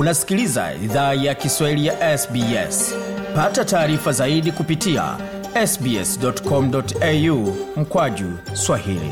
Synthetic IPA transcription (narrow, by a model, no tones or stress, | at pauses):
unasi̥kiliza̰ḭðaːjakiswahilijaʔɛsbiɛ̰spatataːɾifazaiɗikupitia̰ | ɛsbiɛ̰sdɔtkɔm̩dɔtɛjum̩kwaʄuswahilḭ